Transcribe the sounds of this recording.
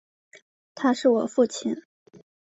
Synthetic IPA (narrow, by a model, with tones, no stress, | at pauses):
t̪ʰa˥ʂɻ̩˥˩wɔ̰˨˩fu˥˩t͡ɕʰi˨˩n